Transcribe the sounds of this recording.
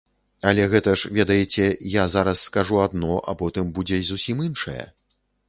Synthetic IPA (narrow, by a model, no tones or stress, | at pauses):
ɐlʲɛɣɛt̪ɐʂvʲɛd̪ɐjit͡sʲɛjazaɾɐsːkaʐuad̪nɔʔɐpɔt̪ɨmbud͡zʲɛzusʲiminʂɐ̰jɐ̰